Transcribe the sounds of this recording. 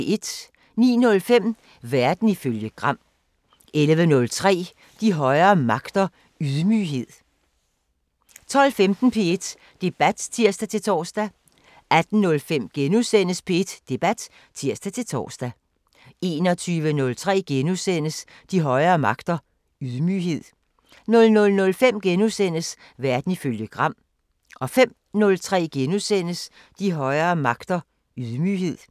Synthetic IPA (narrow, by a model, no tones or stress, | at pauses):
e̝d̥ | nḭːnɔ̽lfem̰ | ʋæɐd̥n̩iføljəɡ̥ʁɑ̈m̰ | elʋənɔ̽lt͡sʰʁɛ̰ː | d̥iɦɒ̽ɪɐːmɑ̈ɡ̥d̥ɐ | yðˠmyːɦe̝ð̰ˠ | t͡sʰɒ̽l̰femd̥n̩pʰe̝e̝d̥ | d̥e̝b̥æd̥t͡sʰiɐ̰sd̥æt͡sʰe̝lt͡sʰɒ̰ːsd̥æ | æd̥n̩ːɔ̽lfem̰ɡ̥enusen̰əspʰe̝e̝d̥d̥e̝b̥æd̥ | t͡sʰiɐsd̥æt͡sʰe̝lt͡sʰɒ̰ːsd̥æ | e̝̰ːnɒ̽t͡sʰyːʋənɔ̽lt͡sʰʁɛ̰ːɡ̥enusen̰əs | d̥iɦɒ̽ɪɐːmɑ̈ɡ̥d̥ɐ | yðˠmyɦe̝ð̞̰ˠ | nɔ̽lnɔ̽lnɔ̽lfem̰ɡ̥enusen̰əs | ʋæɐd̥n̩iføljəɡ̥ʁɑ̈m̰ | ʔɒ̽fem̰ | nɔ̽lt͡sʰʁɛ̰ːɡ̥enusen̰əs | d̥iɦɒ̽ɪɐːmɑ̈ɡ̥d̥ɐ | yðˠmyɦe̝ð̰ˠ